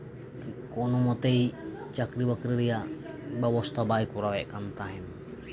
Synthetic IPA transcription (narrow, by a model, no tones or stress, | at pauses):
kkonumot̪ei | t͡ʃakɾiwakɾiɾija | bawɔst̪abaikuɾawɛʔkant̪aɦɛn